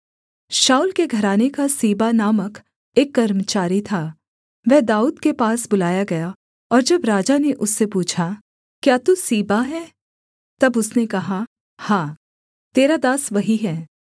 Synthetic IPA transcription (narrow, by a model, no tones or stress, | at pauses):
ʃaːulkeɡʱɐɾaːnekasiːbanaːmək | eːkːɐɾmət͡ʃaːɾit̪ʰaː | ʋɛɦd̪aːuːd̪kepaːsbʊlaːjaɡɐja | ɔːɾd͡ʒɐbɾaːd͡ʒaneʔʊsːepuːt͡ʃʰa | kjaːt̪usiːbaɦɛː | t̪ɐbʊsnekɐɦa | hãː | t̪eːɾad̪aːsʋɐɦiɦɛː